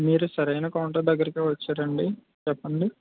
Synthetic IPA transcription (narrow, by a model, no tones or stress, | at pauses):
miːɾusɐɾɐjnɐkɐːɳʈɐd̪ɐɡːɐɾɐkiːʋɐt͡ʃːaːɾɐɳɖi | t͡ʃɛpːɐɳɖi